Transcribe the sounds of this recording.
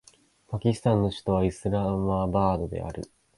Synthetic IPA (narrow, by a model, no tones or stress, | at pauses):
pakʲisɨ̥t̪ãnːo̞ɕi̥t̪o̞β̞aisɨɾamabaːd̪o̞d̪e̞̰ʔa̰ɾɯ̟̰